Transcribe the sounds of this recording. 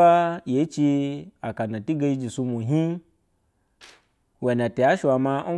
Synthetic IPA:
a˦je˨˦t͡ʃi˧a˨ka˨na˨ti˦ɡa˧ji˧d͡ʒi˨su˧mu˨ɦi˦ | we˨na˨te˨a˨˦ʃu˨a˨ma˧˦

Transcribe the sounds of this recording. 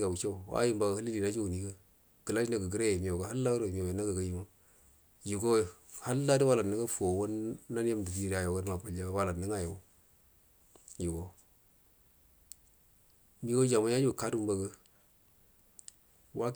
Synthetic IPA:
ɡa˨wu˨t͡ʃa˦u˨wa̰˦ji˦mba˨ɡha˦li˦li˨na˦d͡ʒo˦u˨ni˦ɡə˦ | ɡ̥ə˨la˦d͡ʒi˦na˨ɡə˨ɡə˦ɾe˦je˨mi˨o˨ɡa˨ha˦lːa˦ɾo˨mi˨jo˨je˨na˦ɡə˨ɡa˦ji˨ma˦ | ju˨ɡo˦˨ha˦lːa˦di˦wa˦la˨nə˦ŋɡa˦fu˨o˨wo˦nna˦n˦ja˦mdu˨fi˦ɾa˨ja˨ɡə˦ɾma˨pa˨la˦wa˨la˨nə˦ŋa˦ja˨o˦ | ju˨ɡo˦ | mi˦ɡo˦d͡ʒa˨ma˦ja˦d͡ʒi˦u˨ka˦du˦m˦ba˨ɡə˦ | wa˦

